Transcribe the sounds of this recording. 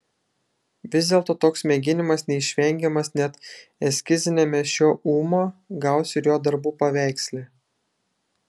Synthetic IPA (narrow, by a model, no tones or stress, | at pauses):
ʋʲɪzʲd̪ʲeːlˠt̪oːt̪oːksmʲeɡʲɪnʲɪmɐsnʲɛɪʃʲʋʲɛŋʲɡʲɛmɐsnʲɛt̪ɛsʲkʲɪzʲɪnʲemʲɛʃʲoːʔuːmoːɡɑˑʊsʲɪɾjoːd̪ɐɾbuːpɐʋʲæˑɪksʲlʲeː